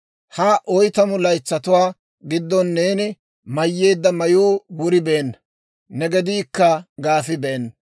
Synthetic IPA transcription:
haʔɔjt̪ɐmʊlɐjt͡sːɐt̪ʊwaː | ɡɪd̪ːɔnːeːnɪ | mɐjːe̞ːd̪ːɐmɐjuːwʊɾɪbeːnːɐ | nɛɡɛd̪iːkːɐɡaːfɪbeːnː

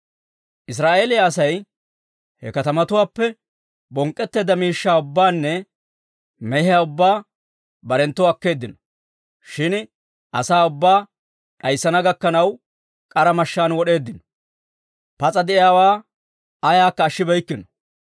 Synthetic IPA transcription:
ʔɪs̬ɾaːʔe̞ːlɪjaɐsɐj | hɛ̰kɐt̪ɐmɐt̪ʊwaːpːɛ | bɔŋkʼːɛt̪ːe̞ːd̪ɐmiːʃːaːʊbːaːnːɛ | mɛhɪjaːʊbːaː | bɐɾɛnt̪ːɔɐkːe̞ːd̪ːɪnɔ̥ | ʃɪn | ʔɐ̰saːʊbːaː | ɗɐjsːɐnɐɡɐkːɐnɐw | kʼɐɾɐmɐʃːaːnwɔɗe̞ːd̪ːɪnɔ̥ | pɐt͡sʼɐd̪ɛʔɪjaːwaː | ɐjaːkːɐːʃːɪbɐjkːɪnɔ̥

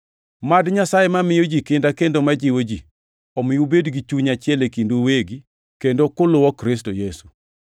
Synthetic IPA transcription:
madɲasajɛmamɪjod͡ʒikɪndakendomad͡ʒɪwod͡ʒi | ɔmɪjubedɡit͡ʃuɲat͡ʃɪɛlekindoweɡi | kendokʊlʊwɔkɾɪstojesu̥

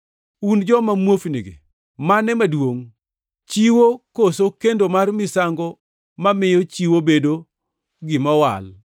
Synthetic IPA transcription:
und͡ʒɔmamwofneɡḛ | manɛmadwoŋ | t͡ʃiwokosokendomarmɪsaŋɡɔ | mamɪjɔt͡ʃiwobedo | ɡɪmawa̰l

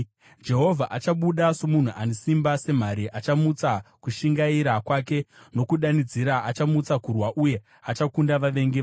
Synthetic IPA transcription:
d͡ʒe̞ɦo̞vʱaʔat͡ʃaɓuɗasomun̤uʔanisimbase̞m̤aɾiʔat͡ʃamut͡sakuʃiŋɡaiɾakwake̞no̞kuɗanid͡ziɾaʔat͡ʃamut͡sakurwaʔuje̞ | at͡ʃakundaʋaʋe̞ŋɡeʋa

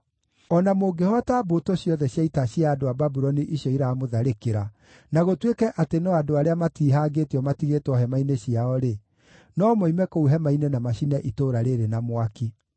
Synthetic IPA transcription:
ɔnamoɡehɔataːbotoɕjɔðɛɕjaitaɕjaːdoababuɾɔniʔiɕɔiɾaːmoðaɾekeɾa | naɣotwekɛʔatenɔadoaɾeamatiːɦaːɡetiɔmatiɣeːtɔɦɛmaineɕiaɔɾe | nɔmoimɛkouɦɛmainenamaʃinɛʔitoːɾaɾeɾenamowaki

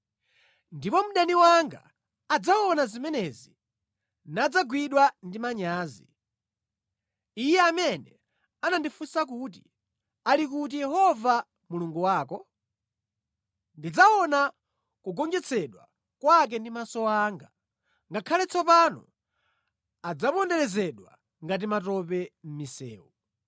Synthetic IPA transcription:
ndipɔm̩ɗaniwaŋɡa̰ː | d͡zaɔnazimɛnɛzi | nad͡zaɡwiɗwandimaɲaːzi | ijɛamɛnɛ | anandifusak̬ut̬i | alik̬ut̬ijɛɦɔva | muluŋɡuwaːkɔ | ndid͡zaɔna | kuɡɔɲd͡ʒɛt͡sʰɛɗwa̰ | kwak̬ɛndimasɔaːŋɡa | ŋɡakʰalɛt͡sʰɔpanɔ̰ | ad͡zapɔndɛɾɛzɛɗwa̰ | ŋɡat̬imatɔp̬ɛm̩misɛ̰ːu

